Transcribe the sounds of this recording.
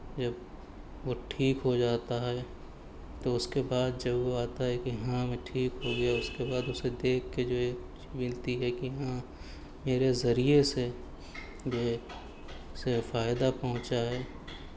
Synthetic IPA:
d͡ʒɐb | ʋoʈʰiːkɦod͡ʒaːt̪aɦɛ | t̪oʊskebaːd̪̚d͡ʒɐbʋoaːt̪aɦɛkijɐɦãmẽʈʰiːkɦoɡɐjaʊskebaːd̪ʊsed̪eːkʰːed͡ʒoːeːk | t͡ʃimɪlt̪iɦɛkijɦã | meːɾezɐɾijese | ʋe | sefaːɪd̪apɐɦʊ̃t͡ʃaɦɛː

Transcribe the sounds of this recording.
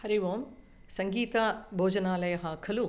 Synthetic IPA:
hɐɾiʋoːm | sɐŋɡiːt̪abʱoːd͡ʒɐnaːlɐjɐɦaːkʰɐlu

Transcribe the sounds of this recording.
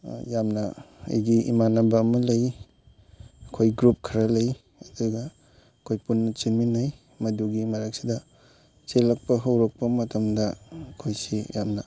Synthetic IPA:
jamnɐɐ̰jɡiḭmanɐbɐːmɐlɐj | kʰojɡɾup̚kʰɐɾɐlɐj | ɐduɡɐ | kʰojpunːɐt͡ʃiminaj | mɐduɡimɐɾɐk̚sidɐ | t͡ʃelɐk̚pɐɦɐwɾɐk̚pɐmɐtʰɐmdɐkʰojsijamnɐ

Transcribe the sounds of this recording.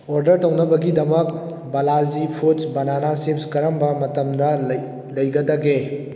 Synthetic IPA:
oɾdɐɾtɐwnɐbɐɡidɐmɐk̚ | bɐlazipʰutsbɐnanasep̚skɐɾɐmbɐmɐtɐmdɐ | lɐjɡɐdɐɡe

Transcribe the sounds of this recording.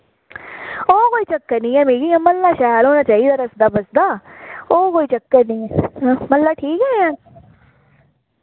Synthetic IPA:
oːkoːiːt͡ʃəkːəɾnĩːɛːmeːɡiːɛ̃ːməlːaːʃɛːlɦoːnaːt͡ʃaːiːd̪aːɾəsd̪aːbəsd̪aːoːkoːiːt͡ʃəkːəɾnĩːɛːməlːaːʈʰiːkɦɛːãː

